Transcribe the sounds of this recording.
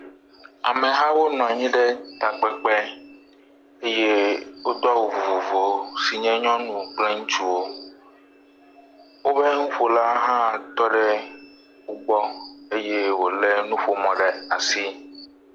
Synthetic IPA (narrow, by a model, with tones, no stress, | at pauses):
a̰˨mẽ˨ɦã˦wo˦nɔ̃˨ɲĩ˦ɖɛ˦t̪a˨k͡pɛ˨k͡pɛ˦ | e˦je˦wo˦d̪ɔ˦wo˨vo˨vo˨vo˨si˨ɲɛ̃˦ɲɔ̃˦nũ˨k͡plɛ˦ŋũ˦t͡ʃu˦wo˦ | wo˦be˦ŋũ˦ɸo˨la˦ɦã˦˨t̪ɔ˦ɖɛ˦ | wu˦ɡ͡bɔ˦e˦je˦wo˨le˦nũ˦ɸo˨mɔ̃˨ɖɛ˨a˨si˦